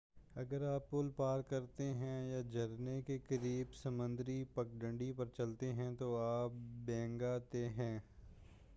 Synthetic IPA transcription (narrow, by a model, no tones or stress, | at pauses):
ɐɡəɾaːpːʊlpaːɾkɐɾt̪eɦɛ̃jaːd͡ʒɐɾnekekəɾiːbsəmə̃nd̪ɾipək̚ɖə̃ɳɖipɐɾt͡ʃɐlt̪eɦɛ̃t̪oaːpbɛ̃ːŋɡat̪eɦɛ̃ː